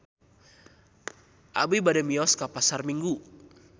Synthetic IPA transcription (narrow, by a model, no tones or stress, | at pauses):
ʔa̰bibadɛmiɔskapasarmiŋɡu